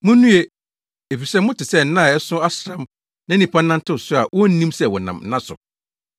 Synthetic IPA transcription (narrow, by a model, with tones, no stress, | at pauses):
mʊ̃˦nũ˦e˨ | e˨fi˨sɛ˦mʊ̃˦tɪ˨sɛ˦˨n̩˨˦nã˦˨ɛ˦sʊ̃˦a˦sɾã˦m | nã˦nĩ˨pʰã˦nã˦n˦tʰɪ˦ʊ˨sʊ˦a˨wɔ˦n̩˦nĩ˦msɛ˨wɔ˨nã̰˨m̩˦nã˦sʊ̰˨